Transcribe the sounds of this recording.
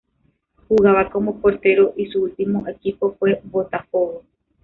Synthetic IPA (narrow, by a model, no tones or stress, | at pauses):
huɣaʋakõmopo̞ɾt̪e̞ɾo̞ʔisuɨt̪ĩmõʔe̞kipo̞fwe̞bo̞t̪afowo